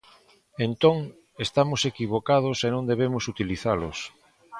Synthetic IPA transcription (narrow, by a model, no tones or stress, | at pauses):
ent̪õŋ | est̪amosekiβ̞okað̞osenõnd̪eβ̞emosut̪iliθalo̰s